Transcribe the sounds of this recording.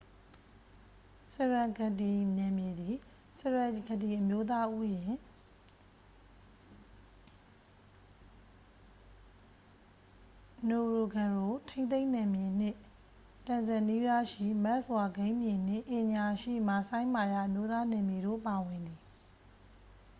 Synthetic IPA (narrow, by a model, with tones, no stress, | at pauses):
sɛ˨ɹã˨ɡə˨ti˨nɛ̃˨mje˨d̪i˨ | sɛ˨ɹa˨ɡə˨ti˨ʔəmjo˦t̪a˦ʔu˦jɪ̃˨ | no˨ɹo˨ɡã˨ɹo˨tʰẽ˦nẽ˦ɪ̃nɛ̃˨mje˨n̥ɪ˦˨ | tã˨nzɛ˨ni˦ba˦ʃḭ˦˨mɛ˦ʔswa˨ɡẽ˦ɪ̃mjɪ̃˨n̥ɪ̰̃˦˨ʔɪ̃˨ɲa˨ʃḭ˦˨ma˨sã˦ɪ̃ma˨ja˦˨ʔəmjo˦t̪a˦nɛ̃˨mje˨ɾo̰˦˨pa˨wɪ̃˨nd̪i˨